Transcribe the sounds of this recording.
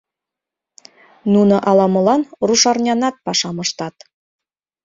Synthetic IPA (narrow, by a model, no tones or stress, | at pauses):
nunɤ̆ʔɑlɑmɤ̆lɑnruʃɑrnʲɑnɑt̪̚pɑʃɑmɤ̆ʃt̪ɑt̪